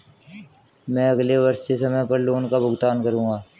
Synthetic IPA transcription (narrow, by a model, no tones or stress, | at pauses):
mɛ̃ːəɡleʋəɾssesəməjpəɾloːnkabʊɡt̪aːnkəɾũːɡaː